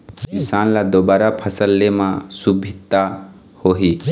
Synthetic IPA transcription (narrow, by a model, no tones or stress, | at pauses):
ɪsaːnlad̪oːbaːɾapʰəsəlːemãsubʱit̪ːa | hoːɦi